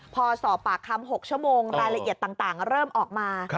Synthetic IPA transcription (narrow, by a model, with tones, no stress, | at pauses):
pʰɔː˧sɔː˨˦pːaː˨˩kʰːa˧mɦo˨˩k̚t͡ɕʰu˥˩əmoː˧ŋɾaː˧jɾa˧ʔi˨˩ət̪ːaː˨˩ŋt̪aː˨˩ŋɾɤː˥˩mʔɔː˨˩k̚maː˧